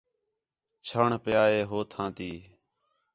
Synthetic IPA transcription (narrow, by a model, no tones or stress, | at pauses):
t͡ʃʰəɳpjaːɦeːɦoːt̪ʰãːt̪iː